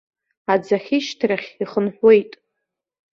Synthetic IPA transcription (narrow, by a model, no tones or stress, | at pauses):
ad͡zaχʲiʃtʰraχʲiχənħʷwe̞jtʼ